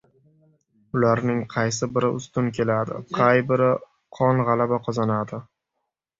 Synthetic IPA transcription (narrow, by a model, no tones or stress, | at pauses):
ʊlaɾnɪŋqʰɑjsɪbɪɾɪʔʊst̪ʊnkʲʰe̞lad̪ɪ̰qʰɑjbɪɾɪ | qʰɒnʁɑlabaqʰɒzanad̪ɪ